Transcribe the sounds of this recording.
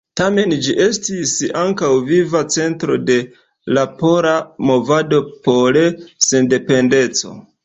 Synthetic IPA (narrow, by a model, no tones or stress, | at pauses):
tame̞nd͡ʒiʔe̞stisaŋkawvivat͡se̞ntɾo̞de̞ | lapo̞ɾamo̞vado̞polesende̞pe̞nde̞t͡so̞̰